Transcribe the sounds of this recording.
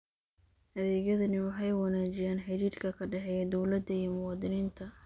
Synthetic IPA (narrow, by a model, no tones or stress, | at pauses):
hɐðɛːɣjɐðɐnɪwɑħɑjwɑnaːt͡ʃɪjaːnħɛɾiːd̪kʰɐkʰɐɖɛħɛjɐd̪ɔwlɐd̪ɐimʊwɑːd̪ɪniːnt̪ʰɐ